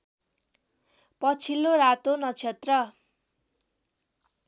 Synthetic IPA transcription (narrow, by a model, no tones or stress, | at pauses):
pʌt͡sʰilːoɾat̪onʌt͡sʰet̪rʌ